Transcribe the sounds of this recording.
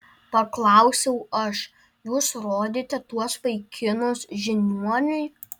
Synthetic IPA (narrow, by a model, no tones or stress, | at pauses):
pɐklˠɐˑʊsʲɛʊɐʃ | juːsɾoːd̪ʲeːt̪ʲɛt̪uɔspɐɪkʲʰɪnʊsʒʲɪnʲuɔnʲʊɪ